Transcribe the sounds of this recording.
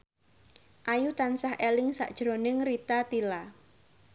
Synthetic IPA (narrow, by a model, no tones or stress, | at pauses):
ʔajut̪ansahʔelɪŋsa̰ʔd̥ʒ̥ɾonɪŋrit̪at̪ila